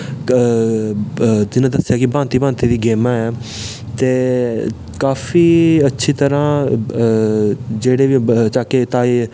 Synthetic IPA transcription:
t̪ɪnãːd̪əsɪjaːkɪbãːnt̪iːbãːnt̪iːd̪iːɡeːmãɛː | t̪eː | kaːfiːətːʃʰiːt̪əɾãː | d͡ʒeːɽeːʋit͡ʃaːket̪aːe

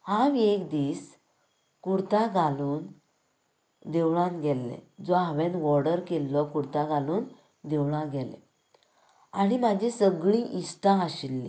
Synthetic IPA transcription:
hãʋiekd̪iːs | kuɽt̪aɡʱaluːn | d̪ewɭãnɡɛlːḛd͡zɔɦaʋẽnʋɔɾɽəɾkelːɔkuɽt̪aɡaluːn | d̪ewɭãɡɛlḛ | aɽ̃imad͡ʑʱisəɡɭĩʔisʈãəɕilːḭ

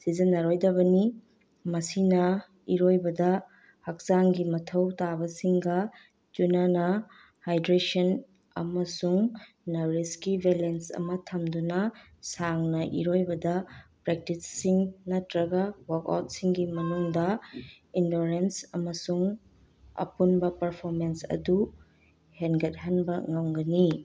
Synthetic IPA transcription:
sizɐnːɐɾojdɐβɐni | mɐsinɐ | iɾojbɐdɐ | hɐk̚z̥aŋɡimɐtʰɐwtabɐsiŋɡɐ | d͡ʒunanɐ | hajdɾesɐn | ɐ̰mɐsuŋ | nɐɾiskibʱelensɐ̰mɐtʰɐmdunɐ | saŋnɐʔḭɾojbɐdɐpɾek̚titsiŋnɐtɾɐɡɐwɐka̰wt̚siŋɡimɐnuŋdɐ | indoɾensɐmɐsuŋ | ɐ̰punbɐpɐɾpʰoɾmensɐ̰du | henɡɐt̚hɐnbɐŋɐwɡɐni

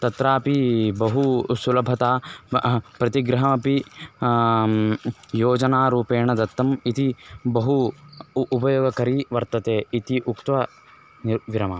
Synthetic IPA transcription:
t̪ɐt̪ɾaːpibɐɦusulɐbʱɐt̪aː | pɾɐt̪iɡɾɐɦɐmɐpi | joːd͡ʒɐnaːɾuːpeːɳɐd̪ɐt̪ːɐmit̪ibɐɦuː | pɐjoːɡɐkɐɾiʋɐɾt̪ɐt̪eːit̪iʔukt̪ʋɐ | niɾʋiɾɐmaː

